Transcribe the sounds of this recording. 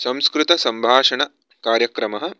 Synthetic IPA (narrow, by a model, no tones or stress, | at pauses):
sɐ̃mskɾut̪ɐsɐmbʱaːʂɐɳɐ | kaːɾjɐkɾɐmɐɦɐ̆